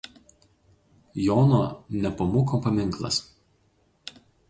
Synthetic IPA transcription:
jɔːnoːnʲɛpɐmoːkopɐmʲɪŋˑklˠɐ̰s

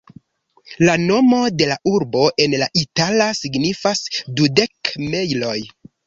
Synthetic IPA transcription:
lano̞mo̞de̞laʔuɾbo̞ʔe̞nlaʔitalasiɡnifasdude̞kme̞jlo̞j

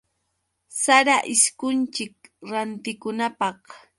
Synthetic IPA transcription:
saɾaʔɪskʊnt͡ʃɪkɾant̪ɪkʊnapɑh

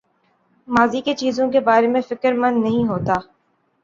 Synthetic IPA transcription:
maːziket͡ʃiːzõkebaːɾemẽfɪkəɾmɐ̃nd̪nɐɦĩɦoːt̪aː

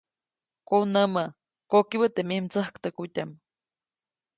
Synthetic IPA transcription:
konəmə | kokiβət̪emimt͡səhkt̪əkutʲam

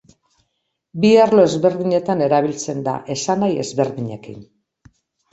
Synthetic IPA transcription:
biarlo̞e̞zβe̞ɾðiɲe̞t̪ane̞ɾaβ̞ilt͡se̞nd̪a̰ʔe̞sanaje̞zβe̞ɾðiɲe̞kḭn

